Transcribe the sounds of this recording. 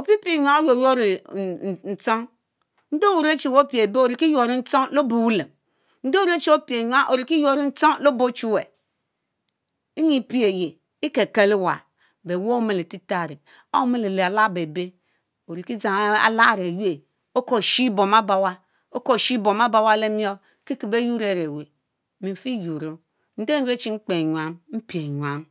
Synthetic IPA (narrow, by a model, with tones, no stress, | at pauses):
o˨pi˦pi˦˨ɲʷ˦a˨o˦jo˨jo˦ɾi˨n˨n̩˨t͡so˦ŋ | n̩˦do˦wu˨ɾe˦t͡ʃi˨wo˦pi˨e˨be˦o˨ɾi˨ki˦jo˨ɾi˦n̩˦t͡so˦ŋlo˦bo˨wu˦le˨m | n̩˦do˦u˦ɾe˦t͡ʃi˦o˦pi˨e˨ɲ˦a˦ʔo˨ɾi˨ki˦jo˦ɾi˦n̩˦t͡so˦ŋ˦lo˦bo˦t͡ʃu˦we˨ | i˦ɲi˦˨pi˦e˨je˨ | i˦ke˨ke˦li˦wa̰˨ | be˨wo˦me˨le˨ti˦ta˦˨ɾe˨ | a̰˦me˦le˨le˨a˨la˦˨be˨be˦ | o˨ɾi˨ki˦d͡za˨ŋ˦a̰˨la˦˨ɾe˨ju˦e˨ | o˦ko˨ʃi˦bo˨ma˦ba˨wa˦ | o˦ko˦˨ʃi˦bo˨ma˦ba˦wa˦le˦mi˦o˦ | ki˦ki˨be˦ju˦ɾe˨ɾe˨we˨ | mi˨fi˦ju˨ɾo˦ | n̩˦de˦n̩˦ɾe˦t͡ʃi˦ŋ͡m̩˦k͡pe˨ɲʷ˨a˨˦mm̩˦pi˨e˨ɲwa˨˦m